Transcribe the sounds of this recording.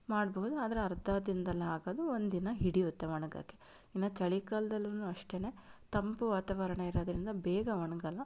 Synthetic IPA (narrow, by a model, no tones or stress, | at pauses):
maːɽbɐɦud̪uaːd̪ɐɾeɐɾd̪ʱad̪ind̪ɐlːɐɦaːɡoːd̪uond̪inɐɦiɽiut̪ːeʋɐɳɐɡɐ̰kːe | inːɐt͡ʃɐɭikɐːld̪ɐlːɐnuːɐʂʈe̞ːne̞ːt̪ɐmpuʋaːt̪ɐʋɐɾɐɳɐiɾoːd̪ɐɾind̪ɐbɛːɡɐʋɐɳɐɡɐlːɐ